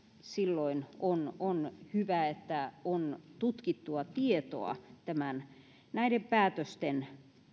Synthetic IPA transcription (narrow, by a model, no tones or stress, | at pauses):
silːoinononhyʋæet̪ːæont̪ut̪kit̪ːuɑt̪iet̪o̰ɑ̰t̪æmæn | næiɾempæːt̪øst̪en